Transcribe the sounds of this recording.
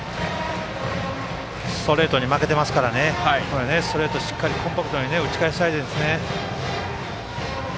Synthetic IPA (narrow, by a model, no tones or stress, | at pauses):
st̪o̞ɾe̞ːt̪o̞ɲ̟imake̞t̪e̞masɨ̥kaɾane̞koene̞st̪o̞ɾe̞ːt̪o̞ɕi̥kːaɾʲikʰõ̞mpakɯ̟t̪o̞ɲ̟ine̞ɯ̟t͡ɕi̥kaeɕi̥t̪ait̪end̪esɨne̞